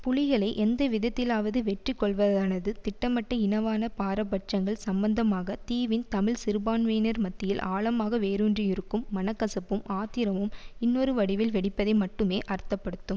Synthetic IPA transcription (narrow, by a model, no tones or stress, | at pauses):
pʊɭɪɣɐɭɐɪʔɛnd̪ɐʋɪðɐt̪ːɪlaːʋɐðɯʋɛʈrikːɔɭʋɐðaːnɐðɯt̪ɪʈːɐmɐʈːɐɪnɐʋaːnɐpaːɾɐpːɐʈ̚t͡ʃɐŋɡɐɭsɐmbɐnd̪ɐmaːɣɐt̪iːʋɪnt̪ɐmɪɭsɪɾɯbaːnʋeːnɐɾmɐt̪ːɪjɪlʔaːɭɐmaːɣɐʋeːɾuːndriɪɾɯkːɯmːɐnɐkːɐsɐpːɯmʔaːt̪ɪɾɐmɯmɪnːɔɾɯʋɐɽɪʋɪlʋɛɽɪpːɐðɐɪmɐʈːɯmeːʔɐɾt̪ːɐpːɐɽɯt̪ːɯm